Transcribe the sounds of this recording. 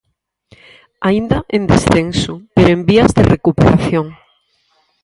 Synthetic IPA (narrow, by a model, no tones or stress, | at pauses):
aind̪ɐʔẽnd̪ḛsθensʊpeɾoẽmbiɐzðerekupḛɾaθjoŋ